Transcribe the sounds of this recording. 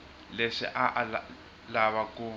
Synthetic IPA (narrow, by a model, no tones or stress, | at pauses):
leʂḭʔaʔ | laβaku